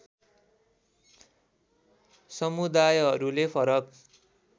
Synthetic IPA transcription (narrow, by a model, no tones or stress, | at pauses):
sʌmud̪ajɦʌɾulepʰʌɾʌk